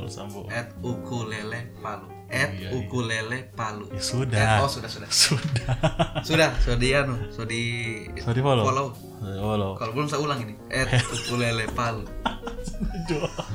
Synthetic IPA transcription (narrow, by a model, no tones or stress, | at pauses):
alṵsa̰mbuɛt̪̚ukulelɛpalu | ʔɛt̪̚ukulelɛpalujasudaɛosudahsudasudasudahsodianusodisodipolopolou | olokalobulʊmsaulaŋiniʔɛt̪̚ukulelɛpalu | d͡ʒo